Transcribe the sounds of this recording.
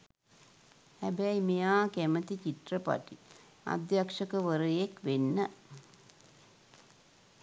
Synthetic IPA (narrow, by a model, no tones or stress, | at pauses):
hæbɛimejaːkæmət̪it͡ɕiʈrɐpa̰ʈi | ɐ̰d̪jakʂɐkɐʋəɾɐjekʋenːə